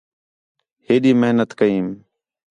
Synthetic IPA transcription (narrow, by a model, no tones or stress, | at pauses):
heːɗiːməɦnət̪kəiːm